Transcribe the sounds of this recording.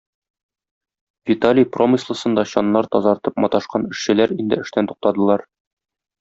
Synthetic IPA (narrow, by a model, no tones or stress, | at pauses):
vʲit̪alʲijpro̞mʲislˠɤ̆sɤ̆nd̪ɑɕɒnːɑɾt̪ɒzɑɾt̪ɤpmɒt̪ɑʃqɑnɘ̆ʃɕɘ̆læɾind̪ɘɘ̆ʃt̪ænt̪u̥q̚t̪ɑd̪ɤ̆lˠɑɾ